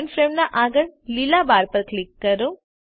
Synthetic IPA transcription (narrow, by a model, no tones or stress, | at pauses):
nfɾeɳɖnaʔaːɡəɭlilabaːɾpəɾkɭikːəɾo